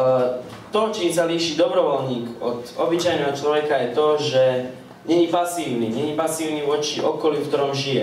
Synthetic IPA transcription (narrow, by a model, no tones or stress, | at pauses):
t̪ɔt͡ʃiːms̬aliːʃiːd̪ɔbɾɔʋɔlɲiːkɔt̪ɔbit͡ʃajnɛɦɔt͡ʃlɔʋɛkajɛt̪ɔʒɛ | ɲɛɲipasiːʊniɲɛɲipasiːʊniʋɔt͡ʃiʔɔkɔljufkt̪ɔɾɔmʒijɛ